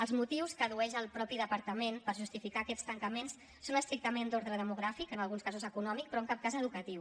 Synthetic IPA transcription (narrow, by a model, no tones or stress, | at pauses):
əlˠzmut̪iwskəðuɛʒəlˠpɾɔpiðəpəɾt̪əmenpəɾʒust̪ifikaːkɛtst̪əŋkəmensːonəst̪ɾik̚t̪əmend̪oɾðɾəðəmuɣ̞ɾafikənəlˠɣunskazuzəkunɔmik̚pɾɔəŋkap̚kazəðukət̪iw